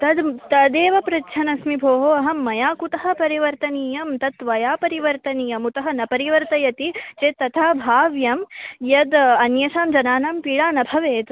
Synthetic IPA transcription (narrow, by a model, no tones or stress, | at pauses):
t̪ɐd̪t̪ɐd̪eːʋɐpɾɐtːʃʰɐnɐsmibʱoːɦoɐɦɐmːɐjaːkut̪ɐɦɐ̆pɐɾiʋɐɾt̪ɐniːjɐmt̪ɐt̪ʋɐjaːpɐɾiʋɐɾt̪ɐniːjɐmut̪ɐɦɐ̆nɐpɐɾiʋɐɾt̪ɐjɐt̪it͡ʃeːt̪ɐt̪ʰaːbʱaːʋjɐmjɐd̪ɐnjɐʃaːmd͡ʒɐnaːnaːmpiɭaːnɐbʱɐʋeːt̪